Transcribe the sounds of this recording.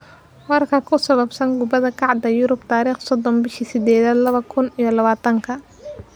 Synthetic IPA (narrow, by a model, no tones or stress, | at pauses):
wɑrkʰɐkʰʊsɐβɐbsɐnɡʊbɐðɐkʰɑʕd̪ɐjʊɾʊbt̪ʰaːɾiːχsɔd̪ɔnbɪʃisɪd̪ɛːðɐlɐβɐkʰʊnijɔlɐβaːt̪ʰɐŋkʰɐ